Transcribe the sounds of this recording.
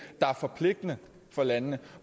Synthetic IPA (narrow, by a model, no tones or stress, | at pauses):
d̥ɑ̈æɐfɒ̽pʰle̝ɡ̥̚d̥ənə | fɒ̽lænnə